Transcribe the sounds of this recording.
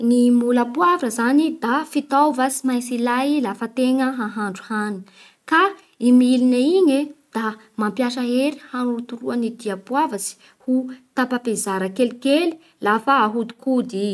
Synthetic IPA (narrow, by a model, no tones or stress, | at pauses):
nimulapuavrəzanid̪afit̪awvasimajt͡silajilafət̪eŋəɦaɦaɳɖ͡ʐu̥hani | ka | imilinaiɲed̪̥a | mampjaʃəɦeɾi̥hanut̪uɾuanid̪iapuavəsi̥ | hut̪apapezaɾəkelikeli̥ | lafaːɦud̪u̥kud̪i